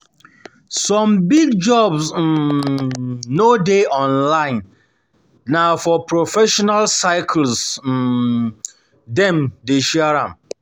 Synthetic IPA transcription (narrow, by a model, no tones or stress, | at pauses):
sɔ̃mbiɡd͡ʒɔbsm̩ | nodeʔɔ̃nlãɪ̃nː | ãfɔpʰɾofɛʃɔnalsaɪkʰl̩s̩ | dɛ̃mdeʃiaɾã̰m